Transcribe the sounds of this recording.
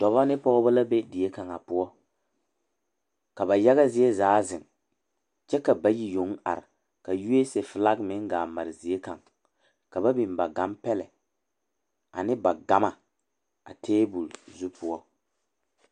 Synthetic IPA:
d̥ɔ˨βa˦nɪ˦pɔ˦ɣɔ˦ba˦la˦be˦di˨je˦ka˨ŋa˨pʊ˦ɔ˦ | ka˨ba˨ja˦ɣa˦zi˦e˦zaː˨˦zɪ˨ŋ | t͡ʃɛ˦ka˨ba˨ji˨jo˨˦ŋ˦a̰˨ɾɪ˨ | ka˨ju˦e˦se˨fɪ˨la˦ɡmɪ˦ŋ˦ɡaː˨ma˨ɾɪ˨zi˨e˦ka˨ŋ | ka˨ba˦bi˨mba˨ɡa˨˦mpɛ˦lɛ̰˨ | a̰˨nɪ˦ba˨ɡa˨˦ma˨ | a̰˨tʰeː˦bu˨lzu˦pʰʊ˦ɔ˦

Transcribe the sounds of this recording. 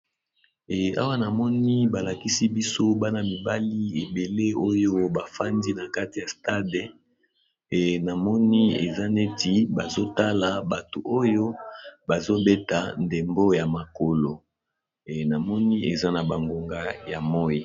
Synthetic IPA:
a̰˦wa˦na˨mɔ˦ni˦ba˨la˨ki˦si˦bi˦so˦ba˦na˨mi˨ba˦li˦e˨be˨le˦o˦jo˦ba˨fa˦ndi˦na˨ka˦ti˨ja˨sta˦dɛ˨ | na˨mɔ˦ni˦ḛ˨za˦ne˦ti˨ba˨zo˦ta˦la˨ba˨to˨ʔo˦jo˦ba˨zo˦be˦ta˨nde˨mbo˦ja˨ma˨ko˨lo˨ | na˨mɔ˦ni˦e˨za˦na˨ba˨ŋɡo˨ŋɡa˦ja˨mɔ˦ji˦

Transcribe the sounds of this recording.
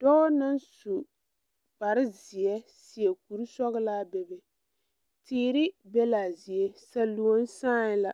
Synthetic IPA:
d̥ɔ˦na˦nsu˨ | ba˨ɾɪ˦zi˨ɛ˦ | si˨ɛ˨ku˨ɾu˦sɔ˦ɣɪ˦laː˦bɛ˨bɛ˨ | tiː˦ɾɪ˦bɛ˦la˨zi˨ɛ˦sa˨lu˨o˦n˦saː˦ɪ˦la˨

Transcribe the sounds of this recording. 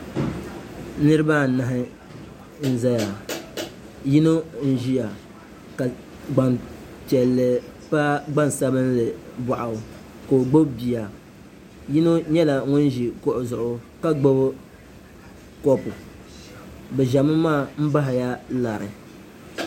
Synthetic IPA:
nɨ˦ɾɨ˦ba˦na˨ɦɪ˦ | n̩˦za˦ja˨ | ji˦no˦n̩˦ʒi˦ja˨ | ka˨ | ɡ͡ba˨n | t͡ʃɛ˨lːɨ˨pa˦ɡ͡ba˦n˨sa˦bɨ˦nlɨ˨ba˨ʔa˨ʊ˨ | ko˨o˨ɡ͡bo˦bi˨ja˨ | ji˦no˦ɲɛ˦la˨ŋʊ˦nʒi˨kʊ˦ʔʊ˨zʊ˨ʔʊ˨ | ka˦ɡ͡bo˦b | kɔ˦pʊ˨ | bɛ˨ʒa˨mɨ˦maː˦˨m̩˦ba˦ɦɪ˨ja˦la˨ɾɨ̰˨

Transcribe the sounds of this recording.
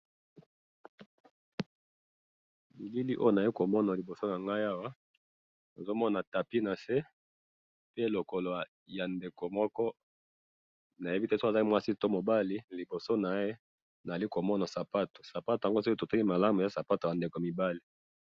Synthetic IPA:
mi˨li˦li˦ʔo˦jo˦na˨a˨i˦ko˨mɔ˦na˨li˨bo˨so˦na˨ŋɡa˦ja˦wa˦ | to˨zo˦mɔ˦na˨ta˨pi˦na˨se˦ | pe˦lo˨ko˨lo˨ | ja˨nde˨ko˨mɔ˦kɔ˦ | na˨je˦bi˦tɛ˦so˦a˨a˦mwa˦si˦to˦mo˨ba˦li˦li˨bo˨so˦na˨˦e˦ | na˨za˨li˦ko˨mɔ˦na˨sa˨pa˦to̥˨sa˨pa˦to˨a˨ŋɡo˦so˦ki˦to˨ta˦ki˦ma˨la˦mu˨ja˨sa˨pa˦to˨ja˨nde˨ko˨mi˨ba˦li˨

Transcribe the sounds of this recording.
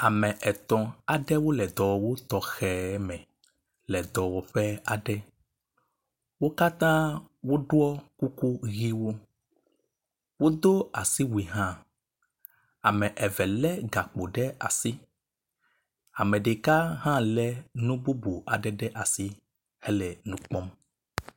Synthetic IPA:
a˨mɛ̃˨ʔɛ˨t̪ɔ̃˨a˨ɖɛ˦wo˦lɛ˨d̪ɔ˨wɔ˨wo˦t̪ɔ˨xɛ˨˦mɛ̃˨ | lɛ˨d̪ɔ˨wɔ˨ɸɛ˦a˨ɖɛ˦ | wo˦ka˦t̪ã˦ | wo˦ɖwɔ˦ku˦ku˦ɣi˦wo˦ | wo˦d̪o˦a˨si˦wi˨ɦã˦ | a˨mɛ̃˨ʔɛ˨vɛ˨lɛ˦ɡa˨k͡po˨ɖɛ˦a̰˨si˦ | a˨mɛ̃˨ɖe˨ka˦ɦã˦lɛ˦nũ˦bu˦bu˨ʔa˨ɖɛ˦ɖɛ˦ʔa˨si˦ | ɛ˦lɛ˨nũ˦k͡pɔ˦m

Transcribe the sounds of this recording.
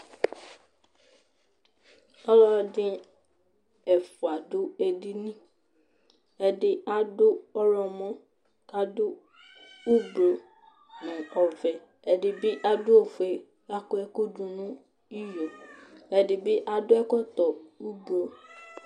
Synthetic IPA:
ɔ˦lɔ˦˨dɪ˦ | ɛ˨fʊ˨a˨dʊ˦ɛ˨di˦nĩ˦ | ɛ˨dɪ˦a˦dʊ˦ɔ˦lɔ˨mɔ̃˦ | ka˦dʊ˦ | u˦ɡ͡blo˨ | ñ˨ɔ˨vɛ˨ | ɛ˨dɪ˨bɪ˦ʔa˦dʊ˦o˨fʊ˨ɛ˨ | a˦kʊ˦ɛ˦kʊ˦dũ˨nũ˦ | i˦jo˨ɛ˨dɪ˨bɪ˦ʔa˨dʊ˦ɛ˦kɔ˦t̪ɔ˨u˦blo˨

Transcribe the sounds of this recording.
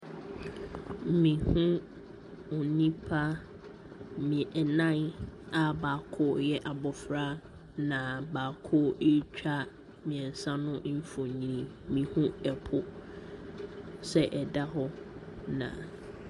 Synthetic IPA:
mĩ˨hũ˦ | u˨nĩ˦pʰa˦ | mĩ˨ɛ˨nã˦˨na˨baː˨kʰʊ˦jɛ˦ʔa˨bɔ˨fɾa˦ | nã˨baː˨kʰʊ˦ʔe˦t͡ɕᶣa˦ | mĩ˨ɛ̃˨n˨sã˦nʊ̃˦m̩˦fʊ̃˨ɲĩ˨˦ĩ˨ | mĩ˨hũ˦ɛ˨pʰʊ˨ | sɛ˦ʔɛ˨da˦ɦɔ˦ | nã̰˨

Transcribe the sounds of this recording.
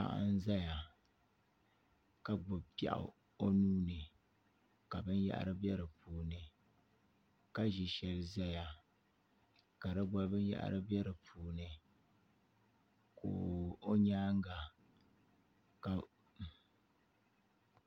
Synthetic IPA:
a̰˦˨ʔa̰˦n˦za˦ja˨ | ka˨ɡ͡bʊ˨bpa̰˨ʔa̰˨ | o˦nuː˦nɨ˨ | ka˨bɨ˦nja̰˦ʔɾɨ˦bɛ˦ɾɨ˨puː˨nɨ˨ | ka˦ʒi˨ʃɛ˦lɨ˦za˦ja˨ | ka˨dɨ˦ɡ͡ba˦bɨ˦n˦jɛ̰˦ʔa̰˨ɾʔɨ˦bɛ˦ɾɨ˨pʰuː˨nɨ˨ | ko̰ː˨o˦ɲaː˦ŋ˦ɡa˨ | ka˨

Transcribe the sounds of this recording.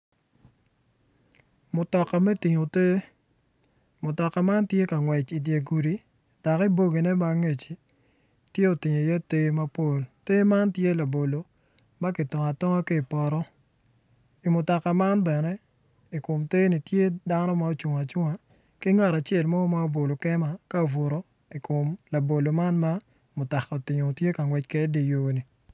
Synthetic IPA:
mʊ˨tɔ˨ka˨mɛ˦ti˨ɲo˨te˦ | mʊ˨tɔ˨ka˨ma˦ntje˦ka˨ŋwɛ˨t͡ʃi˨dje˨ɡu˨ɾi˨ | da˨ki˦bo˦ɡe˨nɛ˦ma˦ŋe˨t͡ʃi˨ | tje˦o˨ti˨ɲo˨jɛ˦te˦ma˦po˦˨lte˦ma˦ntje˦la˨bo˨lo˨ | ma˦ki˨tɔ˨ŋa˨tɔ˦ŋa˦ki˦i˨pɔ˨ɾɔ˦ | i˨mʊ˨ta˨ka˨ma˦nbɛ˨nɛ˦ | i˨ko˨mte˦ni˨tje˦da˦nɔ˦ma˨o˦˨t͡ʃu˨ŋa˨t͡ʃʊ˦ŋa˨ | ki˦ŋa˦˨ɾa˨t͡ʃɛ˦˨lmɔ˦ma˦o˦bo˨lo˨kɛ˦ma˨ka˦˨vo˨ɾo˦ | i˨ko˨mla˨bo˨lo˨ma˦nma˦ | mʊ˨ta˨ka˨o˨tɪ˨ɲo˨tje˦ka˨ŋwɛ˦t͡ʃke˦di˨joː˦ni˨

